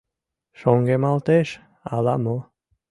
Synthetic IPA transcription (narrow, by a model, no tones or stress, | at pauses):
ʃoŋɡemalt̪eʃ | a̰lamo